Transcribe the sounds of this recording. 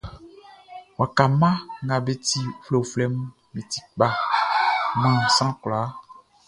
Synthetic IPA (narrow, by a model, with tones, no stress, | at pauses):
wa˨ka˨mã˦ŋã˨be˨t̪i˦fle˨flɛ˦m˦ | mĩ˨t̪i˨k͡pa˦ | mã˦˨sã˦kla˨˦